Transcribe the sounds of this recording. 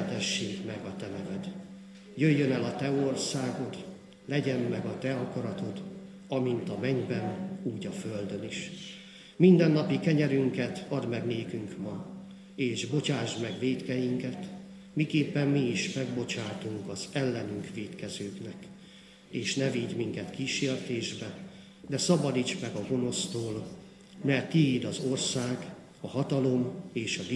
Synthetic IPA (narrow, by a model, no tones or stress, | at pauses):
t̪ɛʃːeːɡmɛɡɒt̪ɛnɛvɛd̪ | jøjːø̞nɛlɒt̪ɛo̞rsaːɡo̞t̪ | lɛɟɛmːɛɡɒt̪ɛɒkɒɾɒt̪o̞t̪ | ɒmint̪ɒmɛɲbɛnuːɟɒføld̪ø̞niʃ | mind̪ɛnːɒpikɛɲɛɾyŋkɛt̪ɒd̪mɛɡneːkyŋkmɒ | eːʒbo̞t͡ʃaːʒmɛɡʋeːt̪kɛjiŋkɛt̪ | mikeːpːɛmmiːʃmɛɡbo̞t͡ʃaːt̪uŋkɒzɛlːɛnyŋkʋeːt̪kɛzøːknɛk | eːʃnɛviɟ̪miŋkɛt̪kiːʃeːrt̪eːʒbɛ | d̪ɛsɒbɒd̪iːt͡ʃmɛɡɒɡo̞no̞st̪oːl | mɛrt̪ːiiːd̪ɒzo̞rsaːɡ | ɒhɒt̪ɒlo̞meːʃɒd̪